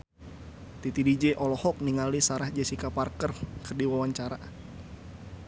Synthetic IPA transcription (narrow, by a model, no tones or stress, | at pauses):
t̪it̪idid͡ʒɛʔɔlɔhɔk̚niŋalisaɾahd͡ʒɛsikaparkərkərdiwawaɲt͡ʃaɾa